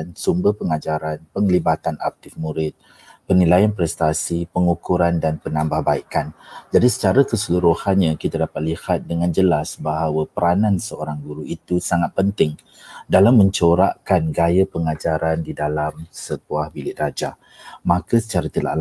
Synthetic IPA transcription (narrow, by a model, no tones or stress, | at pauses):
nsumbəhpəŋad͡ʒaɾanpəŋlibat̪ana̰k̚t̪ɪfmũɾɪt̪̚ | pərnilajanpɾɛst̪asipəŋukuɾandanpənãmbahbaikand͡ʒadisə̥t͡ʃaɾakəsəluɾuhanɲãkit̪adapat̪̚lihat̪̚dəŋãnd͡ʒəlasbaɦawapəɾanãnsəoɾaŋɡuɾuʔit̪usaŋat̪̚pənt̪ɪŋ | dalamːə̃ɲt͡ʃoɾaʔkanɡajapəŋad͡ʒaɾandidalamsətuahbilɪʔrad͡ʒa | mãkasə̥t͡ʃaɾat̪əla̰ʔl